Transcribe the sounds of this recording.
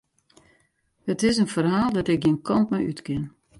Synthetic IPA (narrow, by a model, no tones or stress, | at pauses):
hətɪsənfərɦaːlˠdɔtɪk̚ɡiənkʰɔntmɛjy̰tkɪn